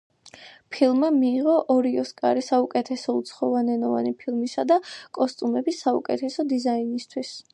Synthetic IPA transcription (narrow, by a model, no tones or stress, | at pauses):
pʰilˠmamiːʁɔʔɔɾiɔskʼaɾisaukʼɛt̪ʰɛsɔut̪sʰχɔvanɛnɔva̰nipʰilˠmisad̪akʼɔst̪ʼumɛbisːaṵkʼɛt̪ʰɛsɔd̪izainist̪ʰwis